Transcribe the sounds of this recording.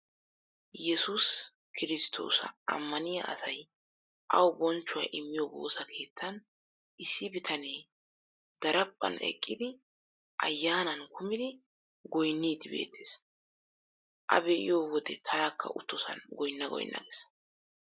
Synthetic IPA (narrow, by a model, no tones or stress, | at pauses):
jɛsus | kʰɪɾɪst̪ʰo̞̰ːsɐ̰ɐ̰mːɐnɪjɐ̰ʔɐ̰sɐj | ʔɐwbɔnt͡ʃːʊwa̰ːʔɪmːɪjoːwo̞̰ːsɐkʰe̞ːt̪ʰːɐn | ʔɪsːɪbɪt̪ʰɐneː | d̪̥ɐɾɐpʼːɐ̰nɛ̰kʼːɪd̪ɪ | ʔɐ̰jːaːnɐnkʰʊmɪd̪ɪ | ɡɔjnːiːd̪ɪbe̞̰ːt̪ʰːe̞ːs | ʔɐ̰bɛʔɪ̰jo̞ːwɔd̪ɛt̪ʰɐɾakːɐ̰ʔʊt̪ːɔsɐ̰nɡɔjnːɐɡɔ̰jɪnːɐ̰ɡes